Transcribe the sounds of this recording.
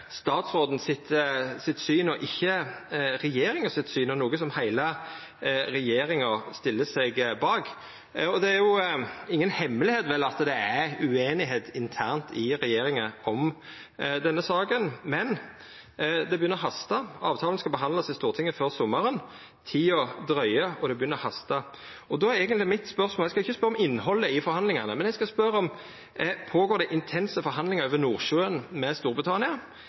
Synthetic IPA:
st̪ɑːt̪sʁoːd̪n̩sɪt̪sɪt̪syːnɔʔɪçːəɾɛjeːɾɪŋɑsɪt̪syːnɔnuːɡəsɔmhæɪlə | ɾɛjeːɾɪŋɑst̪ɪlːəsɛɡbɑːk | ɔd̪ɛæɾjʊɪŋːənhɛmːlɪheːt̪ʋɛlːɑt̪d̪ɛæʉeːnɪɦeːt̪ɪnt̪ʰæʁnt̪ʰɪɾɛjeːɾɪŋəɔm | d̪ɛnːəsɑːkənmɛn | d̪ɛbjʏnəɾɦɑst̪ɑɑːʋt̪ʰɑːlən̩skɑlbəɦɑnd̪lɑsɪst̪uːʁt̪ʰɪŋːəføːʁsɔmːɑɾən | t̪ʰɪlɔd̪ɾœʏəɔd̪ɛbəjʏnːəʁhɑst̪ɑ | ɔd̪ɔːæɾɛːɡənt̪lɪmɪt̪spœʁsmoːæɡskɑɪçːəspœɾɔmɪnːhɔlːəɪfɔɾhɑnd̪lɪŋɑnəmɛnɛɡskɑspœɾəɔm | pʰoːɡoːɾd̪ɛʔɪnt̪ʰɛnsəfɔɾɦɑnd̪lɪŋəøːʋənuːʁʃøːənmɛst̪uːɾbʁɪt̪ʰɑnɪɑ

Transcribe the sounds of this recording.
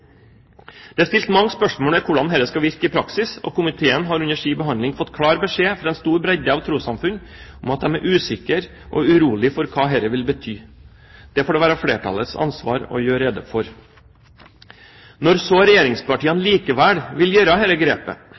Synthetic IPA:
d̪̥ɛɑst̪ɪlt̪mɑŋːspœʂmoːlɛkʰʊɖɑnɦɛɾəskɑʋɪɾkəɪpʰɾɑksɪsɔ̰kʊmɪt̪ʰeːənɦɑɾʉnəʂiːbəɦɑnd̪lɪŋfɔt̪ːkʰɽɑːɾbəʂeːfɾɑːɛnst̪uːɾbɾɛɟəɑʋt̪ʰɾuːsɑmfʉn | ʊmɑt̪̚d̪ɛmæɾʔʉːsɪkəɾ | ʔɔ̰ʉɾuːlɪfɔɾkʰɑːɦɛɾəʋɪlbət̪ʰyː | d̪̥ɛfoːɖɛʋæːɾəfɽeːʈʰɑ̰lət̪sɑ̰nsʋɑ̰ːɾɔ̰jøːɾɛd̪əfɔɾ | nɔɾsoɾɛjeːɾɪŋspɑʈiːənliːkəʋæːɽʋɪljøːɾəɦɛɾəɡɾeːpə̰

